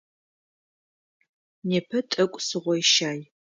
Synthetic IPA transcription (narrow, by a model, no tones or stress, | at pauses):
neːpʰɐtʼɐkʷʼsɨʁʷɔjʃaːj